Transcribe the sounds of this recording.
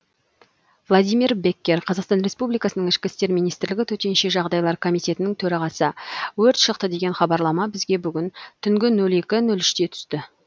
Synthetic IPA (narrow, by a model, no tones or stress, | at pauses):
vlˠad̪ijmiɾbe̞kʲːe̞ɾqʰɑzɑqst̪ɑnɾe̞spublijkɑsənəɴŋɪʃkʲɪst̪e̞ɾmijnijst̪ɪɾlɪɡʲɪt̪ʰɵt̪e̞nʃe̞ʒɑʁd̪ɑjlˠɑɾkʰo̞mijt̪e̞t̪ɪnɪŋt̪ʰɵɾɑʁɑsəwɵɾt̪ʃəqt̪əd̪e̞ɡʲe̞nχɑbɑɾlˠɑmɑbɪzɡʲe̞bʏɡʲɪnt̪ʰʏŋɡʲɪnɵle̞kʲɪnɵlɪʃt̪e̞t̪ʰʏ̥st̪ɪ